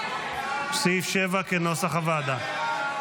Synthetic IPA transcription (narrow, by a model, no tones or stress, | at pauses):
psifʃevakenosaχavad̪a